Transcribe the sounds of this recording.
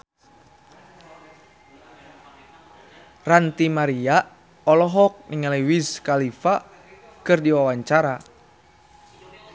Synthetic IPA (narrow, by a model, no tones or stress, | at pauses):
rant̪imaɾia | ɔlɔɦɔk̚niŋalewiskalifa | kɨrdiwawaɲt͡ʃaɾa